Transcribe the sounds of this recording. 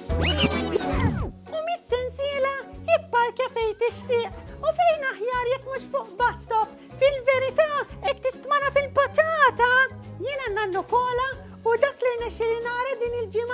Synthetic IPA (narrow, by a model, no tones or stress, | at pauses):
ʊmɪsːɛnsɪːlɐɪpːɐɾkjɐfɛjt̪ɪʃt̪ɪːʔʊfɛjnɐħjɐːɾjɛkːmuʃfʊːʔbɐst̪ɔp | fɪlvɛɾɪt̪ɐːɛt̪ːɪst̪mɐnɐfɪlpɐt̪ɐːt̪ɐjɪːnɐnːɐnːʊkɔːlɐ | ʊd̪ɐːklɪɾnɛʃːɪlinɐːɾɐd̪iːnɪld͡ʒɪmɐ